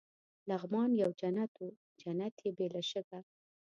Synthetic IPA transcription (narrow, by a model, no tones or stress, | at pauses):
laɣmɑnjawd͡ʒanat̪u | d͡ʒanat̪jebelaʃəɡa